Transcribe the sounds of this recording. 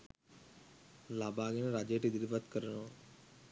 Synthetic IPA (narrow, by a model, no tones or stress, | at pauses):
laːbʱaːɡənɾaːd͡ʒeːʈid̪ɾibət̪kəɾənoː